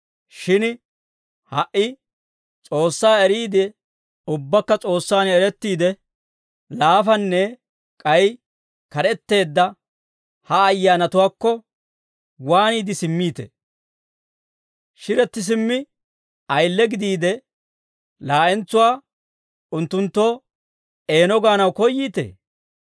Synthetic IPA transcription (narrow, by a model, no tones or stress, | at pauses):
ʃɪn | hɐʔɪ | t͡sʼo̞ːsːaːɛɾiːd̪ɛ | ʊbːɐkːɐt͡sʼo̞ːsːaːnɛɾɛt̪ːiːd̪ɛ | laːfɐnːɛ | kʼɐj | kɐɾɛt̪ːe̞ːd̪ːɐ | hɐːjːaːnɐt̪ʊwaːkːɔ | waːniːd̪ɪsɪmːiːt̪ḛ | ʃɪɾɛt̪ːɪs̬ɪmːɪ | ɐjlːɛɡɪd̪iːd̪ɛ | laːʔɛnt͡sːʊwaː | ʊnt̪ːʊnt̪ːo̞ː | e̞ːnɔɡaːnɐwkɔjːiːt̪ḛː